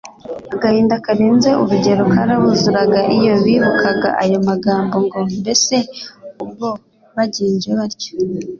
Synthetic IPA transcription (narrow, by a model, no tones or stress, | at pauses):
aɡahiːndakaɾeːnze̞ʔuɾuɟe̞ɾokaɾaβuzuɾaɡaʔijo̞βiβukʰaɡa̰ʔajo̞maɡaːmbo̞ŋɡo̞mbe̞se̞ub̚ɡo̞ | βaɟiːɲd͡ʒeβaɾjo̥